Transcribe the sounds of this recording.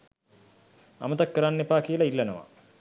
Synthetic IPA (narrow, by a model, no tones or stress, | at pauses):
a̰mət̪akːəɾanːepaːkiəlɐilːɐnəʋa̰